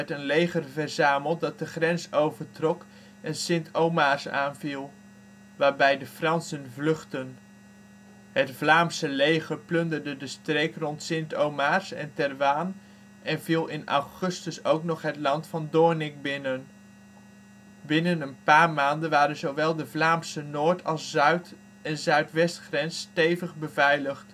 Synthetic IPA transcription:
ɛtənlejχərvɛɹzaːməlˠt̚dɑt̚dəχrɛnsowvəɹtrɔk | ɛnsɪntʰowmaɹsa̰ːnvilˠ | ʋaːɹbɛjdəfrɑnsənvlɵχtən | ɦətvlaːmsəlejχərplʏndəɹdədəstrejkrɔntsɪntowmaɹsɛ̰ntɛrʋaːn | ɛnvilˠɪnɑ̰wχɵstəsowknɔχɦətlɑntfɑndʊːɹnɪk̚bɪnən | bɪnənənpaːɹmaːndənʋaːɾənzowʋɛlˠdəvlaːmsənoːɹtʰɑlˠsœɥt | ɛnzœɥtʋɛstχrɛnstejvəχbəvɛjləχt

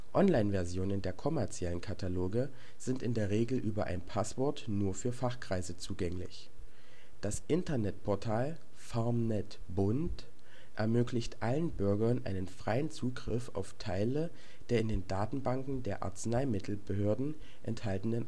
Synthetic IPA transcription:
ʔɔnlaɪnvɛɐzjoːnəndeːɐkʰɔmɛɐt͡sjɛlənkʰatʰaloːɡə | z̥ɪntɪndeːɐʁeːɡl̩ʔyːbɐ̰ʔa̰ɪnpʰasv̥ɔɐtnuːɐfyːɐfaχkʁ̥aɪzət͡suːɡɛŋlɪ̰ç | d̥asʔɪntɐnɛtpʰɔɐtʰaːl | faɐmnɛt | bʊnt | ʔɛɐmøːklɪçtʔalənbʏɐɡɐnʔa̰ɪnənfʁ̥aɪənt͡suːɡʁɪfa̰ʊftʰaɪlə | d̥eːɐɪndeːndaːtn̩baŋkŋ̩deːɐʔa̰ɐt͡snaɪmɪtʰl̩bəɦøːɐdn̩ | ʔɛ̰nthaltn̩dən

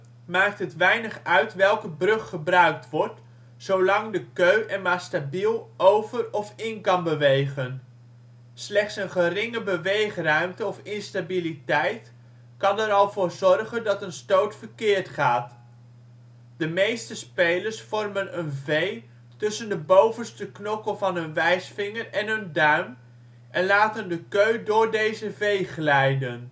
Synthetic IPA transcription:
maːk̚tɦətʋɛjnəχœɥtʋɛlˠkəbrɵχːəbrœɥk̚tʋɔɹt | sowlɑŋdəkøɥʔɛɹmaːɹstabilˠʔowvərɔfɪnkɑnbəʋejχən | slɛχtsənχərɪŋəbəʋejχrœɥmtəɔfɪnstabilitɛjt | kɑnɛɾɑlˠvʊːɹzɔrχəndɑtənstowtfəɹkɪːɹtχaːt | dəmejstəspejləɹsfɔrmənənvej | tɵsəndəbowvənstəknɔkəlˠvɑnɦɵnʋɛjsfɪŋərɛnɦɵndœɥm | ʔɛnlaːtəndəkøɥdʊːɹdejzəvejχlɛjdən

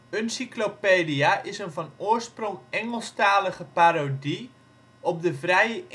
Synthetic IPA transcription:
ønsiklopeːdiaʔɪsənvɔnoərsproŋɛŋəlˠstaːləɣəpaɾodi | ɔp̚dəvrɛjə

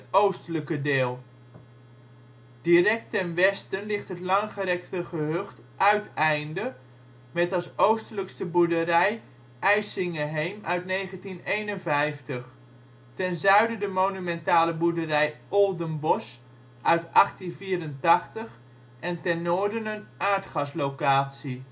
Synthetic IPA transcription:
towstələkədɪːlˠ | d̥irɛk̚tɛnʋɛstənlɪχtɦətlɑŋχəɾɛktəχəɦøχt | ʔœɥtɛjndə | mɛtɑsowstələkstəbuɹdərɛj | ʔɛjsɪŋəɦejmœɥtnejχəntinejnənvɛjftəχ | tɛnzœɥdədəmonymɛntaːləbudərɛjɔlˠdənbɔs | ʔœɥtʔɑχtinviːɾəntɑχtəχ | ɛntɛnːoːɹdənənʔaːɹtχɑslowkaːtsi

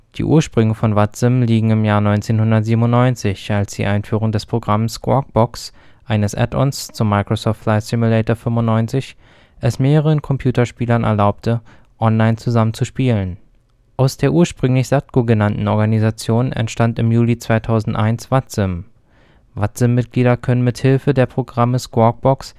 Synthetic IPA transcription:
d̥ḭːʔuːɐʃpʁ̥ʏŋəfɔnvat͡sɪmliːɡŋ̩ɪmjaːɐnɔʏnt͡seːnhʊndɐtz̥iːbm̩ʊnnɔʏnt͡sɪçalsd̥ḭːʔaɪnfyːʁʊŋdɛspʁ̥oɡʁamskʰwɔ̰k̚b̥ɔks | ʔaɪnəsʔɛ̰tɔ̰nst͡sʊmːaɪkʁ̥osɔftlaɪsɪmulɛːtɐfʏmʊntːnːɔʏnt͡sɪç | ʔɛsmeːʁəəʁənkʰɔmpʰj̥uːtɐʃpiːlɐnʔɛ̰ɐlaʊp̚tʰə | ʔɔnlaɪnt͡suzamənt͡suʃpiːlən | ʔaʊsd̥eːɐʔuːɐʃpʁ̥ʏŋlɪçz̥at̚ɡ̥oɡənantn̩ɔɐɡanizat͡sjoːnɛ̰ntʃtantɪmjuːlit͡sv̥aɪtʰaʊzn̩tʔaɪnsv̥at͡sɪm | vat͡sɪmːɪt̚ɡ̥liːdɐkʰœnənmɪthɪlfədeːɐpʁ̥oɡʁaməskwɔk̚b̥ɔks

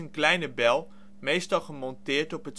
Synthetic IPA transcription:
ənklɛjnəbɛlˠ | mejstɑlˠχəmɔntɪːɹtɔpɦət

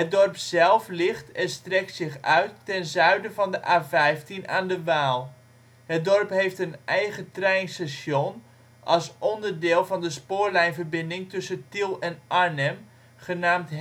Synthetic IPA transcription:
ɦət̚dɔrpzɛlˠflɪχtɛnstrɛk̚tsɪχœɥtːɛnzœɥdəvɑndəʔaːvɛjftinaːndəʋaːlˠ | ɦət̚dɔrpɦejftənʔɛjχətrɛjnstaʃɔn | ʔɑlˠsʔɔndəɹdɪːlˠvɑndəspʊːɹlɛjnvəɹbɪndɪŋtɵsətilˠɛnʔaɹnɛm | χənaːmt

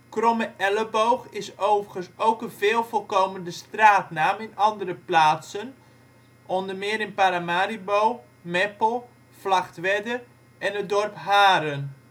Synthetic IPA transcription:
krɔməʔɛləbowxɪsowvərɣənsowkənvɪːlˠvolˠkowməndəstraːtnaːmɪnɑndərəplaːtsən | ʔɔndəmɪəɾɪnpaɾamaːɾibow | mɛpəlˠ | flaxtʋɛdə | ɛnədɔrpɦaːɾən

